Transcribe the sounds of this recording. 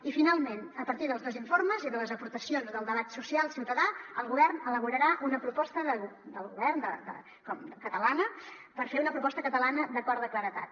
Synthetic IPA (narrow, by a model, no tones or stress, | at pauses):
ifinalˠmenəpəɾt̪iðəlˠzðoziɱforməziðələzəpuɾt̪əsionzðəlˠd̪əβat̪susialˠsiwt̪əðaəlˠɣuβɛrnələβuɾəɾaʔunəpɾupɔst̪əðəd̪əlˠɣuβɛrnd̪ə̰d̪ə̰ | kɔmkət̪əlanə | pəɾfeunəpɾupɔst̪əkət̪əlanəd̪əkɔɾðəkləɾət̪a̰t̪̚